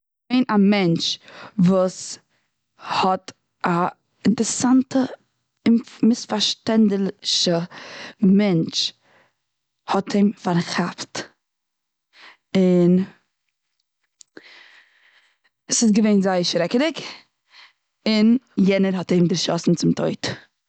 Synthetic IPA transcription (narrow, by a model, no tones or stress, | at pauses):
eɪnamɛnt͡ʃvuːs | hɔt | ʔa | ɪntɾsantə | ɪmɪsfaɾʃtɛndlʃə | mɛnt͡ʃ | hɔtʰɪmfaɾχapt | ɪn | sɪsɡəveɪnzaɪəʃɾɛkəɾɪk | ɪnjɛnəɾhɔthɪmdɪɾʃɔsn̩t͡sɪmtʰoɪt